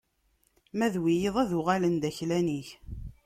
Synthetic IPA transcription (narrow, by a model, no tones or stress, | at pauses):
mæðwijeðˤæðʊʁalənd̪æçlæniç